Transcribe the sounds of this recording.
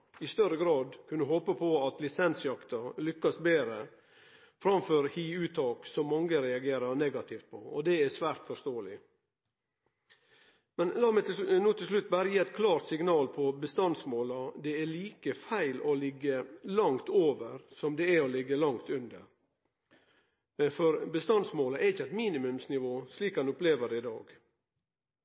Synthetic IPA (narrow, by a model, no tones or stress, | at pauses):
ɪst̪œɾəɡɾɑːd̪kʰʉnːəɦoːpəpʰɔɑt̪lɪsɛnsjɑkt̪ɑlʏkːɑsbeːɾə | fɾɑmføːɾhiːʉːt̪ʰɑːksɔmːɑŋɡəɾɛɑɡeːɾɑɾnɛɡɑt̪ɪft̪̚pʰɔɔd̪ɛæsʋæːɾt̪fɔʂt̪oːəlɪ | mɛnlɑːmæɪt̪nuːt̪ʰɪls̬lʉt̪̚ːbæːɾəjiːɛt̪̚kʰlɑːɾt̪sɪŋnɑːlpʰɔbəst̪ɑnsmoːlɑd̪ɛæɭiːkəfæɪlɔlɪɡːəlɑŋt̪oːʋəɾsɔmd̪ɛæɔlɪɡːəlɑŋt̪ʉnd̪ə̰ɾ | fɔɾbəst̪ɑnsmoːlɑʔɛɾɪçəæɪt̪miːnɪmʉmsnɪʋoːsliːkhɑnʊpleːʋəɖɛɪd̪ɑ̰ːɡ